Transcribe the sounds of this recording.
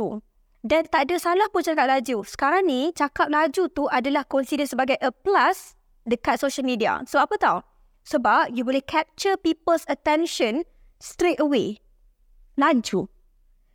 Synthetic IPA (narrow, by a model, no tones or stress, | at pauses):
u | dant̪aʔdasalahpunt͡ʃakap̚lad͡ʒusə̥kaɾaŋnit͡ʃakap̚lad͡ʒut̪uʔadalahkɔnsidɛnsəbaɡajʔəplas | dəkat̪̚soʃəlmĩdia̰soapət̪aw | səbap̚jubolihkʰɛp̚t͡ʃəpipəlsət̪ɛ̃nʃə̃n | st̪ɾet̪əwe | laɲt͡ʃu